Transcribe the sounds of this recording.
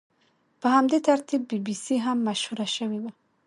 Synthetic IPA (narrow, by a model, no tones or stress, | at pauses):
pəhamd̪et̪aɾt̪ibːibisiɦamːaʃhuɾaʃəwewa